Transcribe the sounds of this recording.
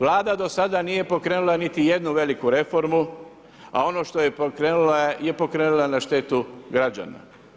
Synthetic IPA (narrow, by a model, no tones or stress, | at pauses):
ʋlˠaːd̪ad̪osad̪anije̞po̞kɾeːnulˠanit̪ije̞d̪nuʋe̞likuɾe̞fo̞ɾmu | a̰o̞no̞ʃt̪ojepokɾeːnulaje̞po̞kɾe̞ːnulˠanaʃt̪e̞ːt̪uɡɾad͡ʑa̰ːna̰